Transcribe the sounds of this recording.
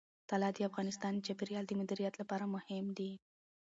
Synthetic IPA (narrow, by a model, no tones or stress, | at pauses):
t̪alɑd̪əafɣɑnɪst̪ɑnd̪ət͡ʃɑpiɾijɑld̪əmʊd̪iɾijat̪lapɑɾamʊhɪmd̪i